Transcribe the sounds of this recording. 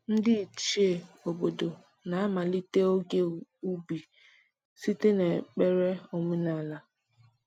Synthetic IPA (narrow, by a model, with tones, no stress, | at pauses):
n̩˦dɪ˦i˨t͡ʃi˦e˨o˨bo˨do˨ | na˨a˦ma˨li˦te˦o˦ɡe˦u˦bi˨ | si˦te˦ne˨k͡pe˦ɾe˦o˨mu˦na˨la˦